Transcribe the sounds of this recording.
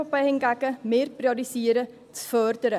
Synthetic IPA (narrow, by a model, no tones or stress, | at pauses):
opɛjhɛnɡæɡəmeːrprioɾisiəɾə | t͡sfœrdəɾə